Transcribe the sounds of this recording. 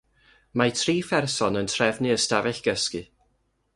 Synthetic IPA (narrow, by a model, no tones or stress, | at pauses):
matʰriːfɛrsɔnəntʰrɛvnɨəstavɛɬɡ̥əskɨ